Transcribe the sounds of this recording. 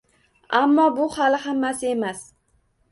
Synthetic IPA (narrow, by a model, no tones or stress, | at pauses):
amːɒbʊhalɪhamːasɪe̞mas